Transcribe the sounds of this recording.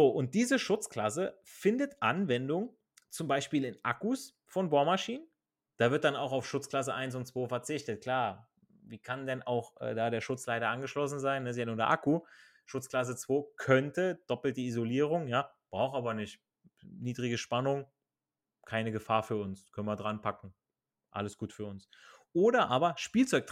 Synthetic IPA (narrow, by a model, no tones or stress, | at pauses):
zoːʔʊnt̚d̥iːzəʃʊt͡skl̥as̬ə | fɪndətʔanvɛndʊŋ | t͡sʊmbaɪʃpiːlɪnʔa̰kus | fɔnbaʊmaʃiːnən | d̥aːvɪɐt̚d̥anaʊxaʊfʃʊt͡skl̥as̬əʔaɪns̬ʊntt͡sv̥oːfɛɐt͡sɪçtət̚kʰl̥aːɐ | viːkʰandɛna̰ʊxʔɛ̰ːdaːɾeːɐʃʊt͡slaɪɾɐʔanɡəʃlɔsn̩zaɪnːəzjanuɐdḛɐʔaku | ʃʊt͡skl̥as̬ət͡sv̥oːkʰœntəd̥ɔpl̩tdiizoliːʁ̞ʊŋjaːb̥ʁaʊxʔaːbɐnɪçt | niːdʁɪɡəʃpanʊŋ | kʰaɪnəɡəfaːɐfyːɐʊnskʰœnviɐdʁanpʰakŋ̩ | ʔa̰ləsɡ̥uːtfyːɐʊns | ʔoːɾɐʔaːbɐʃpiːlt͡sɔʏk̚t